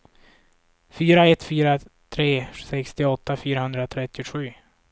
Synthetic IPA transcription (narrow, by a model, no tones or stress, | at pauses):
fyːɾaɛt̪ːfyːɾa | t̪ʰɾeːsɛkst̪ɪɔt̪ːafyːɾahɵnd̪ɾat̪ʰɾɛt̪ːɪʊɧʉ̟ː